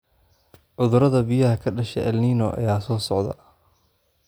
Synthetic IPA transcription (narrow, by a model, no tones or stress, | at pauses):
ʕʊðʊɾɐðɐbɪjɐɦɐkʰɐɖɐʃɛ̰ʔɐlniːnɔ̰ʔɐ̰jaːsɔːsɔʕðɐ̰